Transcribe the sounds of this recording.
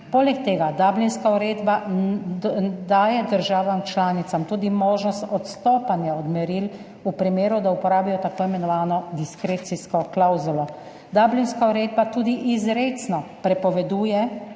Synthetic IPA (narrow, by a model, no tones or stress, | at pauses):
poːlɛkt̪eːɡad̪aːblinskauɾeːd̪ba | d̪aːjɛd̪əɾʒaːʋamt͡ʃlaːnit̪samt̪uːd̪imoːʒnɔst̪ɔt̪st̪oːpanjaɔd̪mɛɾil | upɾimeːɾud̪aupɔɾaːbijɔt̪akoːimɛnɔʋaːnɔd̪iskɾeːt̪siskɔklawzulɔ | d̪aːblinskauɾeːd̪bat̪uːd̪iʔizɾeːsnɔpɾɛpɔʋɛd̪uːjɛ